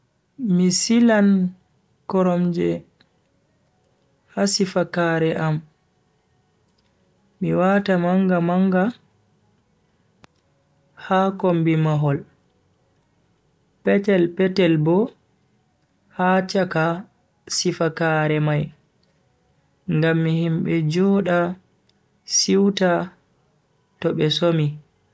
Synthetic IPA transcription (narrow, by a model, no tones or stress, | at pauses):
misilan | kɔɾɔmd͡ʒɛ | hasifakaːɾɛʔam | miwatamaŋɡamaŋɡa | hakɔmbimaɦɔl | pɛtɛlpɛtɛlbɔ | hat͡ʃaka | sifakaːɾɛmaj | ŋɡamːihimɓɛd͡ʒɔɗa | siwta | tɔɓɛsomi